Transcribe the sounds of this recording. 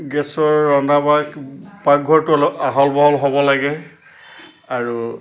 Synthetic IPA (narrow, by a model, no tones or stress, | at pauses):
ɡɛsɔɹːɔnabakpak̚ɡʱɔɹtʊɔlaɦɔlbɔɦɔlɦobɔlaɡɛ | aɹu